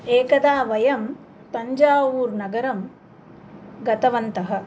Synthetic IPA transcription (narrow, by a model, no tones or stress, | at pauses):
eːkɐd̪aːʋɐjɐm | p̪ɐɲd͡ʒaːʋuːɾnɐɡɐɾɐm | ɡɐt̪ɐʋɐnt̪ɐɦɐ̆